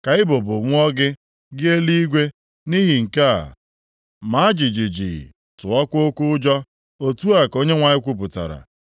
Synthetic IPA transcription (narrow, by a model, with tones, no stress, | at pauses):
ka˨ɪ˦bʊ˨bʊ˨ŋʷʊ˦ɔ˦ɡɪ˦ | ɡɪ˦e˦li˦i˦ɡʷe˦ | ni˦ɦi˨ŋ̩˨ka˦a̰˨ | ma˨˦a˦d͡ʒi˨d͡ʒi˨d͡ʒḭ˨ | tʊ˨ɔ˦kʷʊ˦o˦kʊ˦ʊ˦d͡ʒɔ˦ | o˦tu˦a˨ko˦ɲe˦ŋʷa˨ɲɪ˦kʷu˦p̬ʊ˨ta̰˨ɾa̰˨